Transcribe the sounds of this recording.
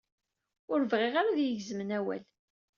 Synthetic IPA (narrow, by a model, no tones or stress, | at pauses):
ʊɾvʁeʁaɾaðjəʝzəmənæwæ̰l